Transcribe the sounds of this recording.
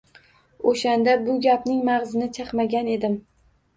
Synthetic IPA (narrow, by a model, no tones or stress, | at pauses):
oʃand̪abʊɡʲapnɪŋmaʁzɪnɪt͡ʃʰɑqmaɡʲane̞d̪ɪm